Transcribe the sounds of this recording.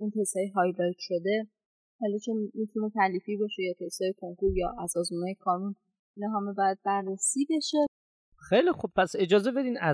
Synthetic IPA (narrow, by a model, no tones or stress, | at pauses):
int̪ʰeshɒːjeɦɒːjlɒːjt̪ʃo̞d̪e̞ | hɒlːɒt͡ʃʰonmit̪ʰune̞t̪ʰælifiːbɒʃejɒːt̪ʰeshɒːjekʰoŋkuɾjɒːʔæzɒːzmunɑjekʰɒːnun | inɒɦæmebɒːjæd̪̚bæɾːesiːbe̞ʃe̞ | xejlixub̥̚pʰæse̞d͡ʒɒːze̞be̞d̪iːmæ